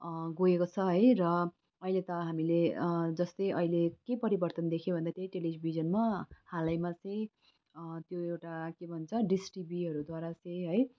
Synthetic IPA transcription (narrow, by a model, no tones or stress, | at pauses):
ɡojekot͡sʰʌɦʌjrʌ | ʌilet̪ʌɦamiled͡zʌst̪ʌjʔʌilekepʌɾibʌrt̪ʌnd̪ekʰjebʱʌnd̪at̪jʌjʈelid͡zbʱid͡zʌnmahalajmat͡sʌj̃ | t̪joewʈakebʱʌnt͡sʰʌɖisʈibiɦʌɾud̪waɾat͡sʌ̃jɦʌj